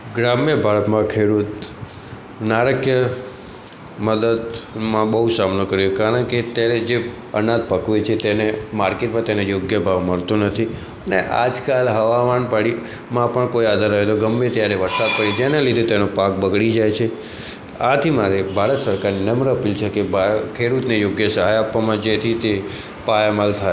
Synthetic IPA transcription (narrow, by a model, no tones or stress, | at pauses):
ɡɾamjəbʱaɾət̪mãkʰeɽut̪ | naɾəkʰjə | məd̪əd̪mãbəɦusamnokəɾjokaɾəɳket̪jaɾed͡ʒe | ə̰nad̪̚pəkʋet͡ʃʰet̪enemaɾkeʈmãt̪enejoɡjəbʱaʋməɭt̪ũnət̪ʰi | ənḛʔa̰d͡ʒkalɦəʋaʋanpəɽi | mãpəɳkoiad̪ʱaɾːəɦet̪oɡəmːet̪jaɾeʋəɾsad̪̚pəɾid͡ʒenalid̪ʱet̪enopãkbəɡɭid͡ʒajt͡ʃʰe | at̪ʰimaɾebʱaɾət̪səɾkaɾninəmɾəəpilt͡ʃʰekebakʰeɽut̪nejoɡjəsəɦajapːʋamãd͡ʒet̪ʰit̪e | pajamalt̪ʰaj